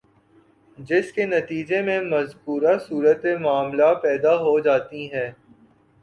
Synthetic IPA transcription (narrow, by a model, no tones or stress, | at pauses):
d͡ʒɪskenɐt̪iːd͡ʒemẽmɐzkuːɾasuːɾət̪emʊaːmlapɛːd̪aɦod͡ʒaːt̪iɦɛː